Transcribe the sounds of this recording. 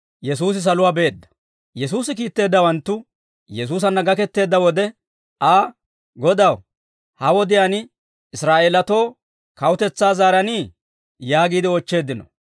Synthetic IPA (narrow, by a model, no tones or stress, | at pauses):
jɛsuːs̬ɪs̬ɐlʊwaːbe̞ːd̪ːɐ̥ | jɛsuːsɪkiːt̪ːe̞ːd̪ːɐwɐnt̪ːʊ | jɛs̬uːs̬ɐnːɐɡɐkɛt̪ːe̞ːd̪ːɐwɔd̪ɛ | aː | ɡɔd̪ɐw | hɐwɔd̪ɪjaːn | ɪsɾaːʔeːlɐt̪o̞ː | kɐwʊt̪ɛt͡sːaːzaːɾɐniː | jaːɡiːd̪ɪɔt͡ʃːe̞ːd̪ːɪnɔ̰